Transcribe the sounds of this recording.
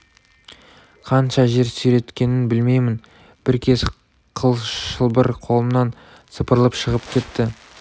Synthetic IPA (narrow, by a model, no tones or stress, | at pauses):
qʰɑnʃɑʒe̞ɾsʏjɾe̞t̪kʲe̞nɪnbɪlme̞jmɪn | b̥ɪɾkʲʰe̞s | qʰəlˠʃəlˠbəɾqʰo̞lˠəmnɑn | səpəɾlˠəpʃəʁəpkʲʰe̞t̪ːɪ